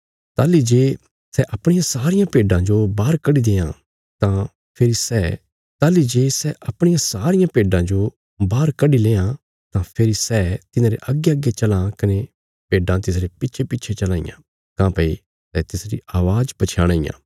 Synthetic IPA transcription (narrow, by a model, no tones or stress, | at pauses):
t̪aːlid͡ʒeː | sɛʔɐpɽ̃ɪjãsaːɾɪjãpeːɖãd͡ʒobaːɾkɐɖid̪eːã̰ | t̪ã | pʰeɾisɛ | t̪aːlid͡ʒeːsɛʔɐpɽ̃ɪjãsaːɾɪjãpeːɖãd͡ʒo | baːɾkɐɖileːã | t̪ãpʰeɾisɛt̪ɪnãːɾeʔɐɡːeɐɡet͡ʃɐlãkɐne | peːɖãt̪ɪsɾepɪtːʃʰepɪtːt͡ʃʰet͡ʃɐlãːɪ̰jã̰ | kãpɐi | sɛt̪ɪsɾḭaːʋaːd͡ʒpɐt͡ʃʰaːɽ̃aːɪjã̰ː